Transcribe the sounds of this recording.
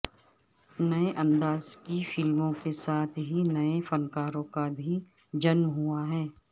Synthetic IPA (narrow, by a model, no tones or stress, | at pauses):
nɐeʔɐ̃nd̪aːzkifɪlmõkesaːt̪ʰɦinɐefɐnkaːɾõkabʱi | d͡ʒɐnmɦʊaɦɛː